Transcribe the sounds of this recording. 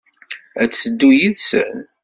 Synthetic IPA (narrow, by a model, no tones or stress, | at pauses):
æt͡sːəd̪ːujiðsə̰n